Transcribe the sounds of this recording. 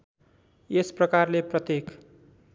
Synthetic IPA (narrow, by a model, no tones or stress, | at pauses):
esprʌkarleprʌt̪jek